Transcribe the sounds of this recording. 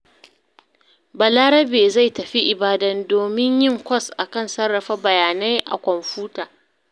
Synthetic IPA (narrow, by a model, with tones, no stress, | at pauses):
bɐ˨laː˦ɾɐ˦beː˨za˦˨jtɐ˨ɸi˦ʔɪ˨baː˦dɐ˦ndoː˨mɪ˦ɲjɪ˦ŋkʷɔ˦sʔa˨kɐ˦˨nsɐ˦rːɐ˨ɸa˦bɐ˨jaː˨na˦jʔa̰˨kʷɔ˨mɸuː˦taː˨